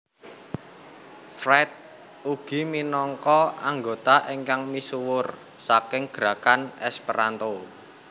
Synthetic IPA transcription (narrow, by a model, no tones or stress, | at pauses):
fɾɛt̪̚ | uɡ̥i̤minɔŋkɔaŋɡot̪aʔiŋkaŋmisuwʊr | sakɪŋɡ̥ɾa̤kanɛspəɾant̪o